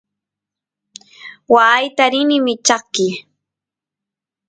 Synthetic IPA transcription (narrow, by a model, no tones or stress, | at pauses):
waːjt̪aɾɪnɪmɪt͡ʃɑχkɪ